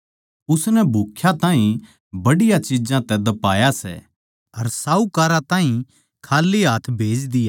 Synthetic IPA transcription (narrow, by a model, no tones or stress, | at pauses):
ʊsnɛbʱukʰːjat̪aːɦĩ | bɐɽɪjat͡ʃɪd͡ʒãt̪ɛd̪ɐpaːjasɛ̰ | ɐɾsaːukaːɾat̪ãːɦĩ | kʰaːlːiɦaːt̪ʰbʱeːd͡ʒd̪ɪjaː